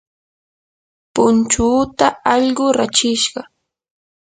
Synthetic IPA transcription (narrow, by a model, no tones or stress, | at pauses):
pʊnt͡ʃuːt̪aɑʎɢʊɾat͡ʃɪʃɢɑ